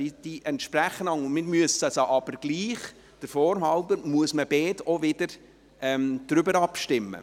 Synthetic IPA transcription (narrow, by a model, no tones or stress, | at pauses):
id̥iʔɛnt̪ʃpɾæχːənɑŋəmɪmyəsɑsəʔɑb̥əɾɡ̥liːχ | d̥əɾfɔːɾmhɑʊbəɾmuəsməb̥ɛːtɔvɪd̥əɾ | ɛmd̪̥ɾʏbəɾɑpʃtɪmːə̰